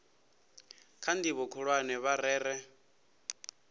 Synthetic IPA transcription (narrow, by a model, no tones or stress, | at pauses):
kʰandiβɔkʰɔɺwanɛβaɾɛːɾɛ